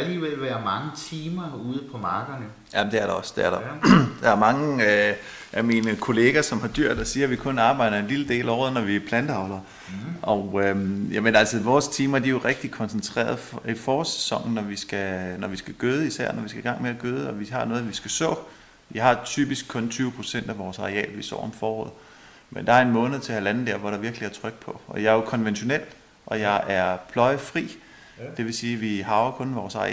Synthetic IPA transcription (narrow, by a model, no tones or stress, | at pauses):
æliːʋel̰ʋæɐmɑ̈ŋət͡sʰiːmɐuːðˠəpʰɒ̽mɑ̈ːɡ̥ɐn | jæd̥eæɐɾɑɒsd̥eæɐɾɑd̥ɑ̈æɐmɑ̈ŋə | ʔæminəkʰo̝le̝ːɡ̥æsɒ̽mhɑ̈d̥yɐ̰d̥ɒsiːɐʋikʰɔ̽nɑ̈ːb̥ɑ̈ɪ̰ɾ̥ɐe̝nliləd̥e̝̰ːlɒːðˠnɒʋipʰlænd̥əɑ̈ʊlɐ | ʔɒʊøjæmənælsəʋɒːst͡sʰiːmɐd̥ijo̝ʁɛɡ̥̚d̥ikʰɒ̽nsn̩t͡sʰʁɛ̰ːɐð̩ˠfifɒːse̥sɒ̽ŋ̰n̩nɒʋisɡ̥ænɒʋisɡ̥æɡ̥øːð̞ˠisæɐ̰nɒʋisɡ̥æɡ̥ɑ̈ŋ̰meæɡ̥øːð̞ˠəɒ̽ʋihɑ̈nɔ̽ːð̩ˠʋisɡ̥æsɔ̰̽ː | ʋiɦɑ̈t͡sʰy̰ːb̥isɡ̥̚kʰɔ̽nt͡sʰyːʊəpʰʁo̝̥sen̰d̥æʋɒːsɑ̈ʁeɛ̰ːlʋisɒ̰ːɒ̽mfɒːɒ̰ːð̩ˠ | mend̥ɑ̈æɐe̝nmɔ̽ːnð̩ˠt͡sʰe̝hælænn̩d̥æɐ̰ʋɒɾ̥ɑ̈ʋiɐɡ̥liæɐt͡sʰʁœɡ̥̚pʰɒ̽ɒjɑ̈jo̝kʰɒ̽nʋenɕo̝nel̰ | ʔɒ̽jɑ̈ɪʔæɐpʰlɒ̽ɪəfʁḭː | d̥e̝ʋe̝siːʋiɦɑ̈ʊɐkʰɔ̽nʋɒːsɑ̈i